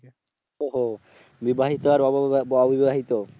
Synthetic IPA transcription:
oɦo | bibaɦit̪oaɾɔɔbibaɦit̪o

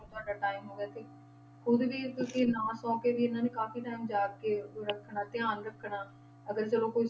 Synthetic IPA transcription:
t̪ʊaːɖaːʈaːɪmɦoːɡeaːt̪eː | xʊd̪ʋiːk̪õːkinãːsɔ̃ːkeːʋiːɪnãːneːkaːfiːʈaːimd͡ʒaːkeːɾəkʰːɳaːt̪ɪãːnɾəkʰːɳaː | əɡəɾt͡ʃəlõːkoi

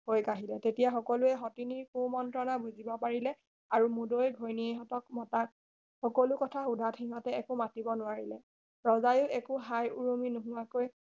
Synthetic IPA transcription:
hojkaɦilɛtetijaxɔkɔluɛɦɔtiniɹkumɔntɹɔnabuzibɔpaɹilɛ | aɹumudojɡʱojnieɦɔtɔkmɔtak̚ | xɔkɔlukɔtʰaudʱatʰxiɦɔtɛɛkʊmatibɔnʊaɹilɛ | ɹɔzajʊʔɛkʊɦajuɹuminʊɦʊ̃akoj

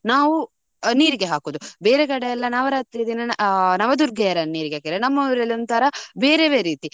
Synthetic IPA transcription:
naːʋu | niːɾiɡeɦaːkoːd̪ubeːɾekɐɽejɛlːɐnaːʋɐɾaːt̪ɾijɐd̪inɐnɐʋɐd̪uɾɡɛjɐɾɐniːɾiɡeaːkiɾenɐmːɐʋɾɐlːiont̪ɐɾɐbeːɾeʋeːɾiːt̪i

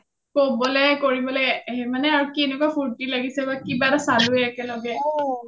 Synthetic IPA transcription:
kobɔlɛkoɹibɔlɔɦɛmanɛaɹukienɛkwapʰuɹtilaɡisɛbakibatasaluɛɛkɛlɔɡɛ

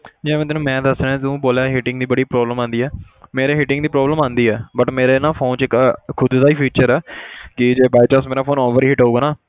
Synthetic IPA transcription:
d͡ʒɛ̃ːmɛ̃ːt̪ɪnũːmɛ̃ːd̪əsɾeːãːt̪ũːboːljaːɦɪʈɪ̃ŋɡd̪iːbəɽiːpɾɔːbləmãːnd̪iːɛː | meːɾeːɦɪʈɪ̃ŋɡd̪iːpɾɔːbləmãːnd̪iːɛːbəʈmeːɾeːnãːpʰoːnt͡ʃɪkkʰʊd̪d̪aːiːpʰiːt͡ʃəɾɛːkɪd͡ʒeːbaːjt͡ʃasmeːɾaːpʰoːnɔːʋəɾiːɦɪʈauːɡaːnaː

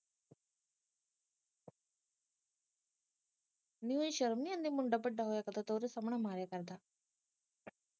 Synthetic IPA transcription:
niunʃəɾmiɐ̃nd̪imʊɳɖabəɖːaɦoːjakɐd̪at̪oːɾesɐmɳamaːɾjakɐɾd̪aː

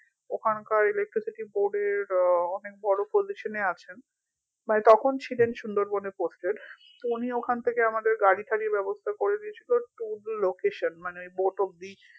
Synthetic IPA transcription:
okʰankaɾelek̚ʈɾisiʈiboɾɖeɾɔnek̚bʱɔɽopoziʃoneat͡ɕʰen | manet̪ɔkʰont͡ɕʰilenʃund̪oɾboneposʈeɖ | t̪ouniokʰant̪ʰekeamad̪eɾɡaɽit̪ʰaɾibɛbost̪ʰakoɾed̪iet͡ɕʰiloʈulːokeʃonmaneboʈob̚d̪i

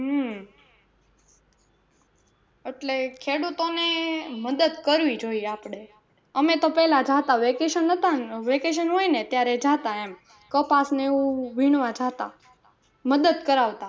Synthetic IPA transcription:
ɦə | eʈlekʰeɽut̪oneməd̪əd̪kəɾʋid͡ʒoijeapɳe | əmet̪opɛlad͡ʒat̪aʋekeʃənɦət̪aʋekeʃ̬ənɦojnet̪jaɾed͡ʒat̪aem | kəpasneeũʋʱiɳ̃ʋãd͡ʒat̪a̰ | məd̪əd̪kəɾaʋt̪a

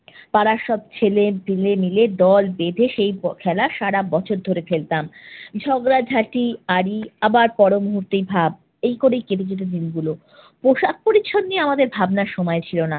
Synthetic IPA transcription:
paɾaʃɔb̚t͡ɕʰelefilemiled̪ɔlbed̪ʱeʃejkʰɛlaʃaɽabɔt͡ɕʰoɾd̪ʱoɾefelt̪amd͡ʑʱɔɡɾad͡ʑʱaʈiaɽiabaɾpɔɾomuɦuɾt̪ejbʱab | ejkoɾejkeʈid͡ʑeʈ̬od̪inɡulo | poʃak̚poɾit͡ɕʰːonnieamad̪eɾbʱabnaɾʃɔmɔet͡ɕʰilona

